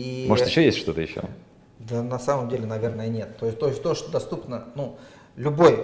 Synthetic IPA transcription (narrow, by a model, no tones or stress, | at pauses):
immoʐt̪jɪɕːojesʲtʲʂt̪o̞t̪əjɪɕːo̰ | d̪ənɐsaməmdʲelʲɪnɐvʲe̞rnəjənʲe̞t̪ːo̞jɪsʲt̪oɪsʲt̪oʂt̪od̪ɐst̪upnənu | lʲʊbo̞j